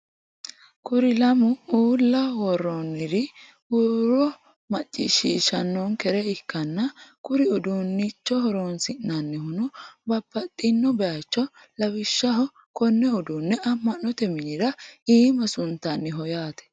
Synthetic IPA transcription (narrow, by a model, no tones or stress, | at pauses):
kʊɾɪlɐmʊuːlːɐwɔɾːonːɪɾɪ | uɾɔ | mɐt͡ʃʼːḭʃiʃɐnːɔŋkɛɾɛɪkːɐnːɐkʊɾɪʊd̪unːɪt͡ʃːɔhɔɾoːnsɪnːɐnːɪhʊnʊbɐbːɐt̪ʼːɪnːɔbɛjat͡ʃːɔ | lɐwɪʃːɐɦɔ | kɔnːɛʊd̪unːɛɐmːɐnːɔt̪ɛmɪnɪɾɐiːmɐsʊnt̪ːɐnːɪɦɔjaːt̪ɛ̥